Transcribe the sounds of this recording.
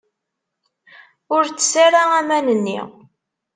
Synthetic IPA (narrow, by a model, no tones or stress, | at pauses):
ʊɾt͡sːə̥saɾaæmænənːḭ